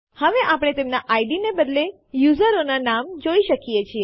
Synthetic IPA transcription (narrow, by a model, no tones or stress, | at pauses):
həʋeʔapɽ̃et̪emnaʔaiɖinebəd̪le | juzəɾonanamd͡ʒoiʃəkijet͡ʃʰie